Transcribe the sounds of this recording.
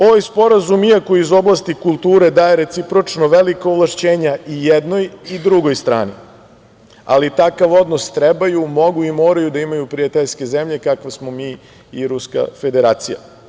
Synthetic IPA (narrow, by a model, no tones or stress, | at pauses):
o̞ʋajspo̞ɾazumijako̞izo̞blˠast̪ikulˠt̪uːɾe̞d̪aːjeɾet̪sipɾo̞t͡ʂnoʋelikoːvlˠaʃt͡ɕeːɲaijed̪no̞jid̪ɾuɡo̞jst̪ɾa̰ːni | a̰lit̪akaʋo̞d̪nost̪ɾebajumo̞ɡuimoːɾajud̪aimajupɾiat̪eʎske̞zemʎe̞kakʋesmomiː | iɾuska̰fe̞d̪e̞ɾaːt̪sija̰